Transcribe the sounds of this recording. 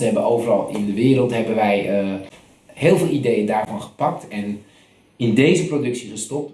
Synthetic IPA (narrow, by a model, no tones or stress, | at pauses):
əɦɛbənowvərɑlˠɪ̰ndəʋɪːɾəlˠtɦɛbənʋɛj | hɪːlˠveɪːlˠidejəndaːɹvɑnχə̥pɑk̚tɛn | ɪndejzəprodɵksiχəstɔp̚t